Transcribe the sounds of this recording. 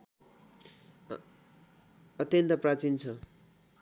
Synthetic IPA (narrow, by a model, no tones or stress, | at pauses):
ʌt̪jʌnt̪ʌprat͡sint͡sʰʌ